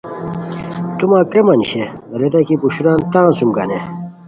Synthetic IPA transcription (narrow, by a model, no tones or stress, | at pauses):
t̪umaːkɾemɐniɕeɾet̪ɐkipuɕuɾant̪ãːsumɡɐne